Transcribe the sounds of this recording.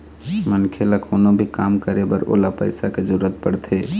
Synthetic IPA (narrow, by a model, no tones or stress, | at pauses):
mənkʰeləkʰonobʱikamkəɾebəɾo̰lapə̰ɪsaked͡ʒuɾət̪̚pəɽt̪ʰe